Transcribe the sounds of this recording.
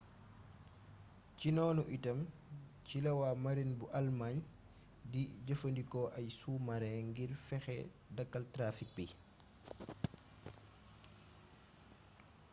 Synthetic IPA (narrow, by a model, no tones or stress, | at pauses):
cinɔːnuʔitɐmcilɐwamɐɾinbuʔɐlmaɲ | diɟəfəndikɔʔɐjsuːmɐɾɛŋɡiɾfɛxɛ̰ | dɐkːɐltɾaːfik̚bi